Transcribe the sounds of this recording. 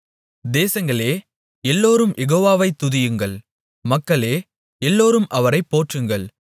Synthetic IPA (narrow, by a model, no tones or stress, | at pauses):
d̪eːsɐŋɡɐɭeː | ɛlːoːɾɯmjɛɣoːʋaːʋɐɪt̪ːʊðɪjɯŋɡɐɭ | mɐkːɐɭeː | ɛlːoːɾɯmʔɐʋɐɾɐɪpːoːʈrɯŋɡɐɭ